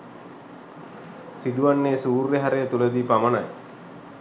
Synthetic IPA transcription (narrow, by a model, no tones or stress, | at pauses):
sid̪uʋanːeːsuːrʋeɦaɾejət̪uləd̪ipamənaj